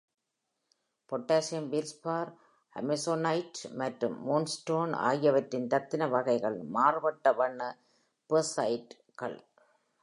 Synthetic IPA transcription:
pɔʈːaːsɪjɐmʋɪɾspaːɾ | ɐ̰mɛsoːnɐɪʈmɐʈrɯmːoːnsʈoːna̰ːjɐʋɐtːɪnt̪ɐt̪ːɪnɐʋɐɣɐɪɣɐɭmaːrɯʋɐʈːɐʋɐɳːɐ | pɐsɐɪʈ | kɐ̰ɭ

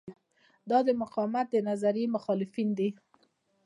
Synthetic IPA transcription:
d̪ɑd̪əmʊqɑwmat̪̚d̪ənazaɾjemʊxɑlɪfind̪i

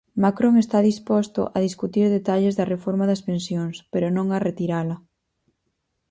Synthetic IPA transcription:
makɾoŋest̪aðispost̪o̰ʔɐðiskut̪iɾðet̪aʎezðɐrefoɾmaðɐspensjoŋspeɾonõŋaret̪iɾalɐ

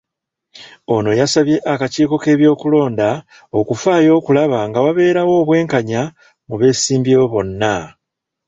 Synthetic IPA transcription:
o̞no̞jasaβje̞ʔakaciːko̞ke̞ːβjo̞ːkulo̞ːnda | o̞kufaːjo̞ːkulaβaŋɡawaβe̞ːɾawo̞ːβwe̞ːŋkaɲa | muβe̞ːsiːmbjeβoβo̞nːa

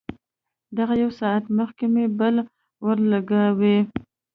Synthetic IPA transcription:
d̪aɣajawsɑat̪məxkemebəl | wəɾlaɡawe

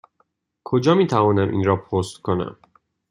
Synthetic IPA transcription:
kʰod͡ʒɒːmiːt̪ʰævɒːnæmʔḭːnɾɒːpʰost̪kʰonæ̰m

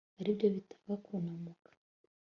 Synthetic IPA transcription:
aɾibɟoβitʰḁvakʰunamukʰḁ

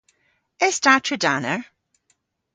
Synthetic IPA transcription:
ɛstatʰɹədanəɹ

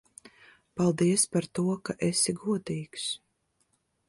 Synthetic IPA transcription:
palˠd̪iɛspaɾt̪uɔkaʔɛsiɡuɔd̪iːks

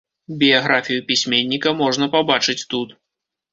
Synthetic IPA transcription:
bʲijaɣɾafʲijupʲisʲmʲenʲːikɐmɔʐnɐpabat͡ʂɨt͡sʲt̪ut̪

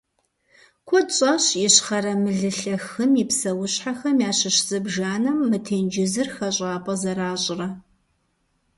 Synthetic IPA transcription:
kʷʰɔt͡ʃʼɐɕɪɕχɐɾɐmɨɮɨɬɐxɨmɪpsɐwʊɕħaxɐmjaːɕɪɕz̥ɨbʒaːnɐmːɨtʰeːnd͡ʒɪzɨrxɐɕʼaːpʼɐzɐɾaːɕʼɪrɐ

